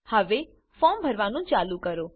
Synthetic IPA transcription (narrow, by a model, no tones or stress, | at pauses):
həʋe | fɔːmbʱəɾʋanũt͡ʃaːlukəɾoː